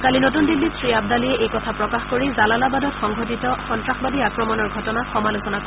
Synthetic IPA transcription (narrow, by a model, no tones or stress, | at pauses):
kalinotundilːisɹiab̚daliɛʔejkɔtʰapɹɔkaxkoɹizalalabadɔtxɔŋɡʱot̬itɔxɔntɹaxbadiakɹɔmɔnɔɹɡʱɔtɔnaxɔmalusɔnakɔ